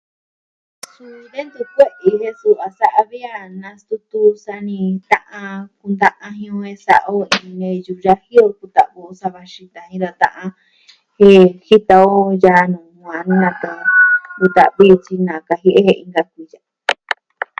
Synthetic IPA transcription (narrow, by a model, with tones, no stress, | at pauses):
su˧ðe˦nd̪u˧kʷe˦ʔi˧ɦe˧su˧a˨sa˦ʔa˧βi˦a˧nã˧st̪u˧˦t̪u˧sa˧nĩ˧t̪ã˦ʔã˧ku˧nd̪ã˦ʔã˧ɦĩ˧õ˧ẽ˧sa̰˨ʔa˧o˦ĩ˧nẽ˧ju˧ʒa˦hi˦o˧ku˧t̪a˨βu˧o˧sa˧βa˧ʃi˧t̪ã˨hĩ˧ɾa˧t̪ã̰˦˧ʔã˧ | he˦hi˦t̪a˧o˦ja˧nũ˨hʷã˨˧nĩ˦nã˧k̪a˧ku˧t̪a̰˨βi˦o˧t͡ʃi˧nã˨ka˧ɦi˦ʔe˦he˧ḭ̃˧ŋɡa˧kʷi˧ja˨